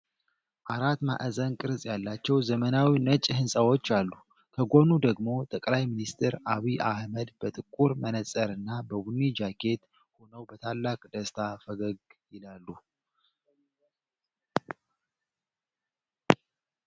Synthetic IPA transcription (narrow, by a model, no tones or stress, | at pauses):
ʔaɾat̪ma̰ʔəzənkʼɨɾzʼjalːat͡ʃːɛwzəmənawinət͡ʃʼːhɨnsʼəwo̞t͡ʃːalːu | kʰəɡo̞nud̪əɡmo̞t̪ʼəkʼlajminist̪ʰeɾaβiʔahməd̪bət̪ʼɨkʼːuɾmənəsʼəɾɨnːabəbunːid͡ʒakʰe̞t̪ | ho̞nəwbət̪ʰalːakʼd̪əst̪ʰafəɡəɡjɪlalːu